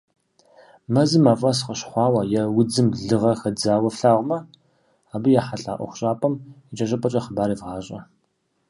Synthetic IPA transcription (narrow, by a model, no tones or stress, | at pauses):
mɐzɨmaːfʼɐsqɐɕχʷɑːwɐjɛwʊd͡zɨmɮɨʁɐxɐd͡zaːwɐfɬaːʁʷmɐ | aːbɨjaːħaɬʼa̰ːʔʷɔ̰χʷʊ̥ɕʼaːpʰʼɐmit͡ʃʼɐɕʼɐpʼɐt͡ʃʼɐχəbaːɾiːvʁɑːɕʼɐ